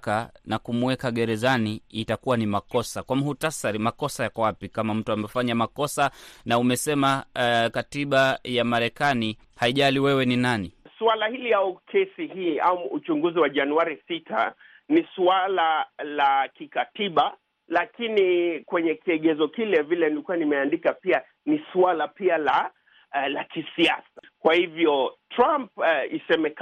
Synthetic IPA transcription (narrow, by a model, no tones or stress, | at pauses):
kanakumuɛkaɠɛɾɛzaniːtakuwanimakɔsakwamuhutasaɾimakɔsajakɔwapikamam̩tuamɛfaɲamakɔsanaumɛsɛmakatiɓajamaɾɛkani | haiʄaliwɛwɛninanisualahiliaukʰɛsihiːamuut͡ʃuŋɡuziwaʄanuaɾisitʰa̰ | nisualalakikatiɓa | lakinikwɛɲɛkiɛɠɛzɔkilɛvilɛnilikuanimɛandikapia | nisualapiala | lakisiasḁ | kwahivjɔtɾampisɛmɛk